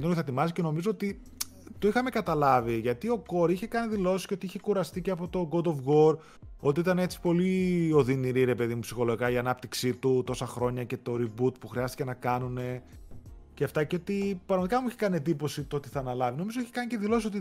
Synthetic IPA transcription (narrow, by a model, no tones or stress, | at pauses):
d̪onθɐet̪imɐsice̞no̞mizo̞ot̪i | t̪o̞ixɐme̞kɐt̪ɐlɐviʝɐt̪io̞ko̞ɾiçe̞kɐniðilo̞sisceot̪iiçe̞kuɾɐst̪iceɐpo̞t̪o̞ɡo̞d̪o̞fɣo̞ɾ | o̞t̪iit̪ɐnee̞t͡si̥po̞lio̞ðiniɾiɾe̞pe̞ðimupsixo̞lo̞ikɐiɐnɐp̚t̪iksit̪ut̪o̞sɐxɾo̞ɲɐce̞t̪o̞ɾibut̪puxɾiɐst̪ice̞nɐkɐnune̞ | ceɐft̪ɐceot̪ipɾɐɣmɐt̪ikɐmuiçekɐniend̪ipo̞sit̪oot̪iθɐːnɐlɐvino̞mizo̞içekɐnice̞ðilo̞sisot̪i